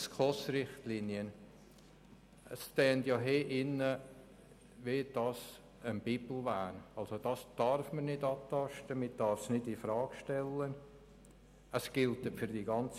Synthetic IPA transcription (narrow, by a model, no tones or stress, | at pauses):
skχɔsɾɪχtlinjən | əstɛːntjɑɦeːʔɪnə | ved̥ɑs | ənb̥ɪbl̩væːnɑlsod̥ɑsd̥ɑɾfməɾnɪdɑtɑʃtəmɪd̥ɑɾfsnɪdifɾɑːɡ̥ʃtɛlən | əsɡ̥ɪltəfyɾd̥iɡɑnt͡s